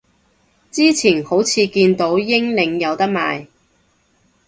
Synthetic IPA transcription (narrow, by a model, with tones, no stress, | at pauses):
t͡siː˥t͡sʰiː˨˩nho˨˥wt͡sʰiː˨˧kiː˧nt̪o˨˥wjɪ˥ŋlɪ˨˧ŋjɐ˨˧wt̪ɐ˥k̚ma̰ː˨j